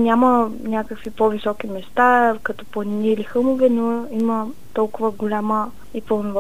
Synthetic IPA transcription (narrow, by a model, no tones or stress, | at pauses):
nʲamənʲakəkvipɔvisɔkimɛst̪akɐt̪ɔ̥plˠɐniniːlixɤlˠmovɛnoimə | t̪ɔlˠkʊvəɡolʲamə | ipɐlˠnov